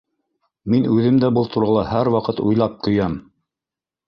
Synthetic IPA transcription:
minʉðɘmd̪æbɤlˠt̪ʰŭɾɤlˠɑhæɾwɑqɤt̪ṵjlˠɑp̚t̪ʰŏjɑm

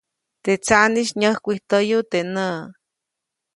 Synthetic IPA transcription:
t̪et͡saʔniʃɲəhkʷiht̪əjut̪enə

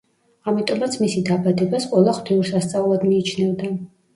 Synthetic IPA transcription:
amit̪ʼɔmat̪sʰmisid̪abad̪ɛbasqʼwɛlˠaχwt̪ʰiuɾsast̪sʼaulˠad̪miːt͡ʃʰnɛvd̪a

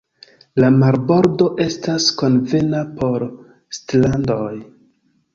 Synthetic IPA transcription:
lamaɾbo̞ɾdo̞ʔe̞stasko̞nve̞napo̞ɾ | stlandoj

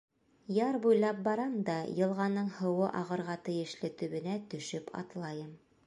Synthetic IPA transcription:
jɑɾbujlˠɑp̚bɑɾɑmd̪ɑjɤ̆lˠʁɑnːɤɴhɤ̆wɤʔɑʁɤ̆ɾʁɑt̪ɘ̆jɘ̆ʃlɘt̪ɵ̆βɘ̆næt̪ɵ̆ʃɵpʰɑ̰t̪lˠɑjɤm

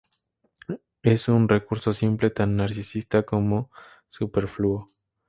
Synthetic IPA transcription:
e̞sunre̞kuɾso̞simple̞t̪anːaɾsisist̪ako̞mo̞ | supe̞ɾfluo

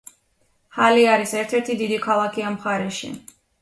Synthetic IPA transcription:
haliaɾisɛɾt̪ʰɛɾt̪ʰid̪id̪ikʰalˠakʰiamχaɾɛʃḭ

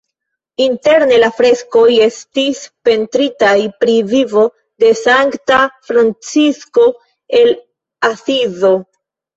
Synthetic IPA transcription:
inte̞ɾne̞lafɾe̞sko̞je̞stispe̞ntɾitajpɾivivo̞ | de̞saŋktafɾant͡sisko̞ | e̞l | asizo̞

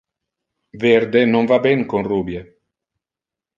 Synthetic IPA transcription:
veɾd̪enoɱvabɛŋkonruːbje

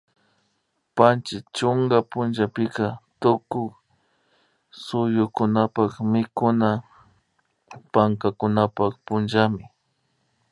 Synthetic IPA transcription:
pant͡ʃɪt͡ʃʊŋɡapʊnʒapɪkat̪ʊkʊk | sʊjʊkʊnapakmɪkʊna | paŋkakʊnapakpʊnʒamɪ

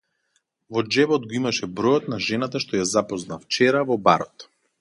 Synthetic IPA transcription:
vɔd͡ʒɛbɔd̪ɡɔimaʃɛbɾɔjɔt̪naʒɛnat̪aʃt̪ɔjazapɔznaft͡ʃɛɾavɔba̰ɾɔt̪

